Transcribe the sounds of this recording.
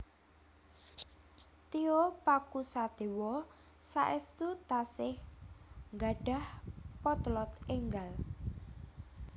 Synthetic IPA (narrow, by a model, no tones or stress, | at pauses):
t̪iopakusad̪̥e̤wɔ | sa̰ʔɪst̪ut̪asɪh | ŋɡaɖ̥a̤hpɔt̪lɔt̪eŋɡal